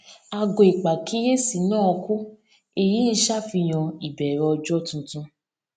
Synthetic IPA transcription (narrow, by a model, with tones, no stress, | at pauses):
a˧ɡo˨e˨k͡pa˨kʰi˨˦je˦si˨˦nɔ̃˦ɔ˧ku˦ | e˦˨ji˨˦n̩˦ʃa˦fi˧j̃ɔ̃˧i˨bɛ˨ɾɔ˨˧ɔ˧d͡ʒɔ˦tũ˧tũ˧